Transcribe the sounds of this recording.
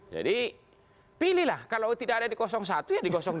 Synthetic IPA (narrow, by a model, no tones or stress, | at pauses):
d͡ʒa̰di | pilihlahkalat̪idaadadikɔsɔŋs̬at̪ujadikɔsɔŋ